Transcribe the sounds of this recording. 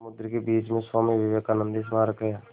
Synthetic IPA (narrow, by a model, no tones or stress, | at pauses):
mʊd̪ɾkebiːt͡ʃmẽswaːmiʋɪʋeːkaːnə̃nd̪is̬maːɾəkəjaː